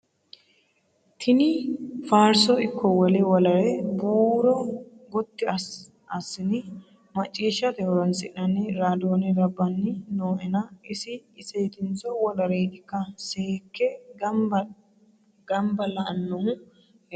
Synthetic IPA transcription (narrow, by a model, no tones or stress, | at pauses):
t̪ʰɪnɪfaːɾsɔɪkʰːɔwɔlɛwɔlɐɾɛbuːɾɔɡɔt̪ːɪ | ɐsːɪnɪ | mɐt͡ʃʼːiːʃːɐt̪ɛhɔɾɔnsɪ̰ʔnɐnɛɾaːd̪oːnɛɾɐbːɐnːɪnoːʔɛnɐɪsɪːseːt̪ɪnt͡sɔwɔlɐɾeːʔɪkːɐsehkːɛ | ɡ̥ɐmbɐlɐʔɐnːɔhʊ